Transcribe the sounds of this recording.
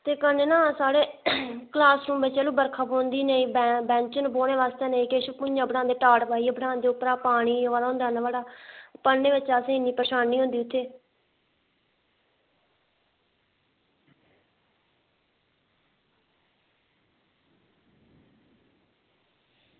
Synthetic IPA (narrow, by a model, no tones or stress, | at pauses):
t̪eːkəneːnãːsaːɽeːklaːsɾũːmʋɪt͡ʃɛːluːbəɾkʰaːbõːnd̪iːnəĩːbbɛ̃ːnt͡ʃənboːɽ̃eːʋaːst̪eːnəĩːkeːʃpʊd͡ʒãːbəɽãːnd̪eːʈaːʈpaːiːbəɽãːnd̪eːʊpɾaːpaːɽ̃iːʋaːlaːɦʊ̃nd̪aːnaːʋaːɽaːpənːeːʋɪt͡ʃaːsẽːɪnːiːpɾəʃaːnːiːɦõnd̪iːʊt̪ʰːeː